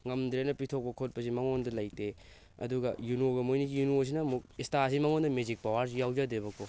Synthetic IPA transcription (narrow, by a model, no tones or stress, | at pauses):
ŋɐmdɾenɐpitʰok̚pɐkʰot̚pɐsimɐŋondɐlajte | ɐ̰duɡɐjunoɡɐmojniɡijunos̬inɐmuk̚istasimɐŋondɐmezik̚pawaɾs̬ijawd͡ʒadɾeβɐko